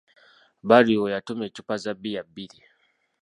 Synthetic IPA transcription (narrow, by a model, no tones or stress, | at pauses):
baɾiɔjatumɛt͡ʃupazabijabili